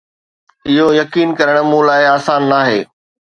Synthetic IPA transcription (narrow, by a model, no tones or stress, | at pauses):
ɪɦojɐkiːnkɐɾəɽ̃̆mũlaːɪaːsaːnːaːɦeː